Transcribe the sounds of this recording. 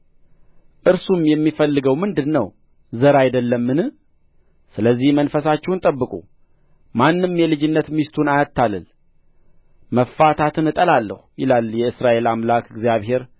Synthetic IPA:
ʔɨɾsumjɛmːifəlːɨɡəwmɨnd̪ɨnːəw | zəɾajd̪əlːəmːɨnɨ | sɨləzːihmənfəsat͡ʃːɛwnt̪ʼəbːɨkʼṵ | manːɨmjɛlɨd͡ʒɪnːət̪mist̪ʰunajat̪ʰːalɨ̰l | məfːat̪ʰat̪ʰɨnɨt̪ʼəlalːə̰hujɪlaljɛɨsɾaʔe̞lamlakɨɡzijaβhe̞ɾ

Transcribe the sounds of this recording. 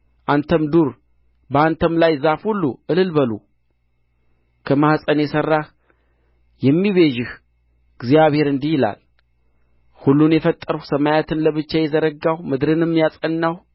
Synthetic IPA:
ʔant̪ʰəmd̪uɾ | bəant̪ʰəmlajzafhulːuʔɨlɨlbəlṵ | kʰəmahsʼənjɛsərːa | jɛmːiβeʒɪh | ɡzjaβhe̞ɾɨnd̪ihɪla̰l | hulːunjɛfət̪ʼːəɾusəmajat̪ʰɨnləβɨt͡ʃːajɛzəɾəɡːawmɨd̪ɾɨnɨmːjasʼənːaw

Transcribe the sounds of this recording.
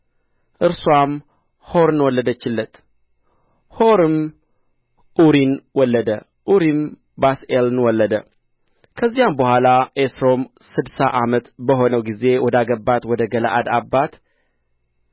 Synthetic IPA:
ʔɨɾswam | ho̞ɾnwɔlːəd̪ət͡ʃːɪlːət̪ | hoɾɨm | ʔuɾinwɔlːəd̪ə | ʔuɾim | baselnwɔlːəd̪ə | kʰəzːijambəhʷalaʔesɾo̞m | sɨd̪saʔamət̪bəɦo̞nəwɡize̞wɔd̪aɡəbːat̪wɔd̪əɡəla̰ʔad̪abːat̪

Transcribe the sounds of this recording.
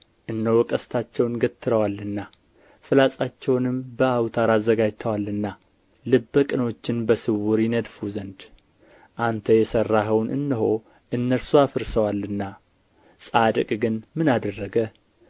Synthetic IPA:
ʔɨnːəwɔkʼəst̪ʰat͡ʃːɛwnɡət̪ʰːɨɾəwalːɨnːa | fɨlasʼat͡ʃːɛwnɨmbəawt̪ʰaɾazːəɡad͡ʒt̪ʰəwalːɨnːa | lɨbːəkʼɨno̞t͡ʃːɪnbəsɨwuɾjɪnəd̪fuzənd̪ | ʔant̪ʰəjɛsərːaɦəwnɨ̰nːɨɦo̞ | ʔɨnːəɾsuafɨɾsəwalːɨnːa | sʼad̪əkʼɡɨnmɨnad̪ərːəɡə

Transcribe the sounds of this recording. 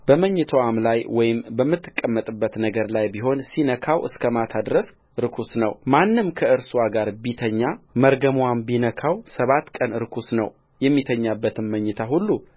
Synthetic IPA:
b̥əməɲːɨt̪ʰəwamlajwɔjɪmbəmːɨt̪ʰːɨ̥kʼːəmːət̪ʼɨbːət̪nəɡəɾlajbiɦo̞nsinəkʰawʔɨ̰skʰəmat̪ʰad̪ɾəs | ɨɾɨkʰusnə̰wmanːɨmkʰəɨɾswaɡaɾbit̪ʰəɲːaməɾɡəmwambinəkʰawsəβat̪kʼənɨɾkʰusnə̰w | jɛmːit̪ʰəɲːabːət̪ʰɨnməɲːɨt̪ʰaɦulːu

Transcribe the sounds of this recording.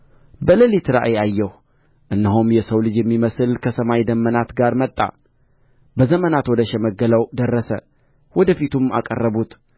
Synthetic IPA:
bələlit̪ʰɨɾa̰ʔeajːɛh | ʔɨnːəɦumjɛsəwlɨd͡ʒjɛmːiməsɨlkʰəsəmajd̪əmːənat̪ɡaɾmət̪ʼːa̰ | bəzəmənat̪wɔd̪əʃɛməɡələwd̪ərːəsə̰ | wɔd̪əfit̪ʰumakʼə̰rːəbut̪

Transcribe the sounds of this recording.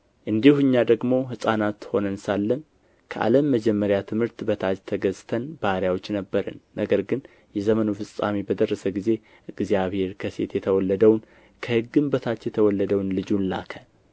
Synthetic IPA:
ʔɨnd̪ihuɨɲːad̪əɡmo̞ɦɨsʼanat̪ho̞nənsalːən | kʰəʔa̰ləmːəd͡ʒɛmːəɾjat̪ʰɨmhɨɾt̪bət̪ʰad͡ʒt̪ʰəɡəzt̪ʰənbahɾjawo̞t͡ʃːnəbːəɾə̰nːəɡəɾɡɨn | jɛzəmənofɨsʼa̰mibəd̪ərːəsəɡize̞ | ɨɡzijaβhe̞ɾkʰəse̞̰t̪jɛt̪ʰəwɔlːəd̪əwn | kʰəhɨɡːɨmbət̪ʰat͡ʃːjɛt̪ʰəwɔlːəd̪əwnlɨd͡ʒunla̰kʰə

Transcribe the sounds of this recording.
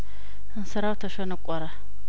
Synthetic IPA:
nsaɾawtaʃonakʷʼaɾa

